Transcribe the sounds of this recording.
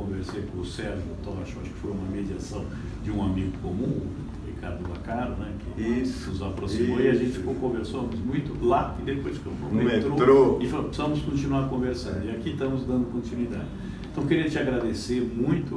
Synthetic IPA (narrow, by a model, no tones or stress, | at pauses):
kõveɾsejkõʊsɛɾʒʊt̪ɔʃaʃʊ̥kɪ̥fojũmɐmed͡ʒiasɐ̃w̃ | d͡ʒɪũamiɡʊkomũ | hikaɾd̪ʊba̰kaɾʊnɛkɪisnʊzapɾosimoiaʒẽnt͡ʃɪfikowkõveɾsɐ̃mʊzmũj̃t̪ʊlaɪd̪epojskõvõmemeet̪ɾot̪ɾoɪfalopsɐ̃mʊskõt͡ʃinuaɾkõveɾsɐ̃nd̪ʊiakit̪ɐ̃mʊzd̪ɐ̃nd̪ʊkõnt͡ʃinwid̪ad͡ʒɪ | ẽt̪ɐ̃w̃keɾĩɐt͡ʃɪaɡɾad̪eseɾmũj̃t̪ʊ